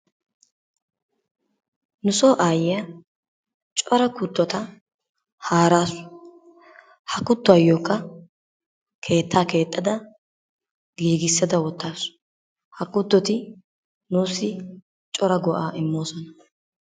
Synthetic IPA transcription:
nʊsoːʔaːjɪjɐ | t͡ʃʼɔɾɐkʊt̪ːɔt̪ɐ | haːɾaːsʊ̥ | hɐkːʊt̪ːɔɐjːoːkːɐ | kʰe̞ːt̪ʰːaːke̞ːt̪ʼːɐd̪ɐ | ɡiːɡɪsːɐd̪ɐwɔt̪ːaːsʊ̥ | hɐkːʊt̪ːɔt̪ɪ | nuːsːɪ | t͡ʃʼɔɾɐɡɔʔaːʔɪmːo̞ːsɔnɐ

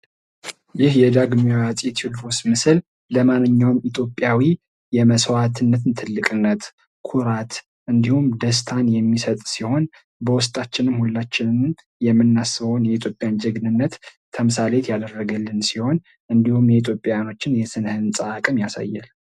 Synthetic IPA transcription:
jɪhjɛd̪aɡmijat͡sʼɛt̪ʰud̪fosmɨsɨl | ləmanːɨɲːawmit̪ʰjo̞pʼːjawi | jɛməswat̪ʰɨnːət̪ʰɨnt̪ʰɨlːɨkʼɨnːət̪ | kʰuɾat̪ | ʔɨnd̪ihumd̪əs̬t̪ʰanjɛmːisət̪ʼsiho̞n | bəwʊst̪ʼat͡ʃːɪnɨmhulːat͡ʃːɪnɨn | jɛmːɨnːasɨβəwnjɛit̪ʰjo̞pʼjand͡ʒəɡnɨnːət̪t̪ʰəmɨsalet̪ʰjad̪ərːəɡəlːɨnsiho̞n | ʔɨnd̪ihumjɛit̪ʰjo̞pʼːjajano̞t͡ʃːɪnjɛsɨnhɨnsʼəakʼɨmjasa̰jːa̰l

